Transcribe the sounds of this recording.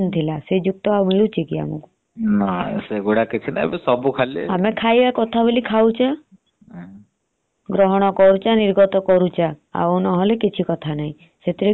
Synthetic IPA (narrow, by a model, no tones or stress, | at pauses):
nt̪ʰilased͡ʒuk̚t̪ɔawmiɭut͡ʃʰikia̰mṵku̥ | naseɡoɽakit͡ʃʰina̰besɔbukʰalieamekʰajbakɔt̪ʰabelikʰawt͡ʃʰa | ɡɾɔɦɔɽ̃ɔkɔɾut͡ʃaniɾɡɔt̪ɔkɔɾut͡ʃʰaa̰unɔɦɔlekit͡ʃʰikɔt̪ʰanaɦĩ | set̪ʰiɾe